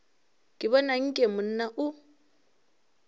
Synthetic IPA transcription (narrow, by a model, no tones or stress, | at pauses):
kʼɪβɔnaŋ̩kʼɛmʊn̩naʔʊ